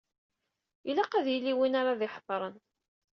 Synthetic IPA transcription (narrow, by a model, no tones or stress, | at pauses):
ilaqæðjilːiwinaɾˤɑðɪħðˤɾˤən